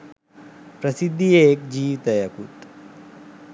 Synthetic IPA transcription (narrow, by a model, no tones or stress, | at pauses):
pɾɐsid̪ʱːijeːkd͡ʒiːt̪ɐjɐkut̪